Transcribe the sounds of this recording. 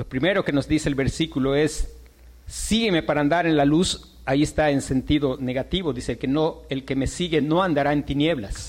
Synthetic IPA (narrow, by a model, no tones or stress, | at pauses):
lo̞pɾime̞ɾo̞keno̞zðiseːlβe̞ɾsikulo̞e̞sː | iɣe̞me̞paɾaːnd̪aɾe̞nlalus | aie̞st̪ae̞nse̞nt̪iðo̞ne̞ɣat̪iβo̞ðiselkenoe̞lke̞me̞siɣe̞no̞and̪aɾae̞nt̪inje̞βla̰s